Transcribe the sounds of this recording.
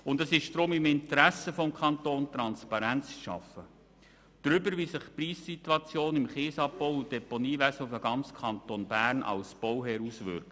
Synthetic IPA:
ʊnd̪əsɪʃd̥ɾʊmɪmɪnt̪əɾæsəfɔmkʰχɑnt̪oːnt̪ɾɑnspɑɾænt͡sʃɑ̰fə | d̪̥ɾʏbəɾʋisɪχpriːssit̪wɑt͡sjoːnɪmχeːsɑp̚bɔwud̥̪ɛponiːʋæsəfəɡɑnt͡skʰɑnt̪onbæːɾnʔɑ̰lsb̥ɔwɦɛːɾusʋʏ̰ɾk

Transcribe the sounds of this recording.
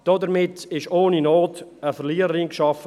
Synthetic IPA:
d̥ɔdəɾmɪtɪʃoːninoːtəfəɾliːəɾəɾiŋkʃɑfə

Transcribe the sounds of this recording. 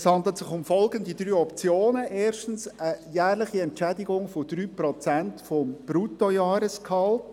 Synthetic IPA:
shɑnd̪lət̪sɪχʊmfɔlɡənd̪id̥ɾyːɔpt͡sjoːnəʔeːɾʃtn̩səjæːɾlɪχiɛntt͡ʃædiɡʊŋfɔd̥ɾyːprɔt͡sæntfɔmb̥ɾuːtɔjɑːɾəskhɑlt

